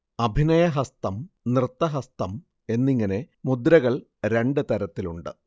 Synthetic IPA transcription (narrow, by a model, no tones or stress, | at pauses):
ɐbʱinɐjɐɦɐst̪ɐmnrɨt̪ːɐɦɐst̪ɐm | e̞nːiŋːɐne̞ | mud̪ɾɐɣɐɭ | ɾe̞ɳɖɨt̪ɐɾɐt̪ːiluɳɖɨ